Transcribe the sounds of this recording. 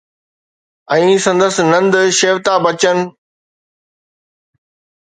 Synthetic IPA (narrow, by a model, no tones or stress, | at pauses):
ɛ̃ːsɐ̃nd̪əsnɐ̃nd̪ʃeːʋt̪abɐt͡ɕənɪ̆